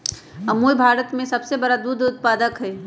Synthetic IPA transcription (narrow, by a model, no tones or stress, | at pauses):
ɐmuːbʱaːɾət̪mẽsɐbsebɐɾad̪uːd̪ʊt̪̚paːd̪əkɦɛː